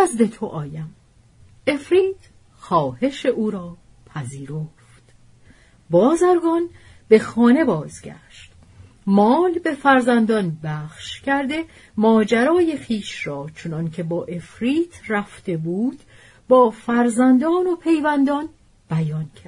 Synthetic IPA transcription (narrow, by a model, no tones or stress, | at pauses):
zd̪e̞t̪ʰo̞ʔɒːjæm | e̞fɾiːt̪ | xɒːhe̞ʃe̞ʔuːɾɒː | pʰæziːɾoft̪ | bɒːzæɾɡɒn | b̥e̞xɒːne̞bɒːzɟæ̰ʃt̪ | mɒːlbe̞fæɾzænd̪ɒnbæːχʃcʰæɾd̪e̞ | mɒːd͡ʒæɾɒːje̞xiːʃrɒːt͡ʃʰonɒncʰe̞bɒːʔe̞fɾiːt̪ʰræft̪e̞buːd̪̥ | bɒːfæɾzænd̪ɒːno̞pʰe̞jvænd̪ɒn | b̥æjɒncʰæ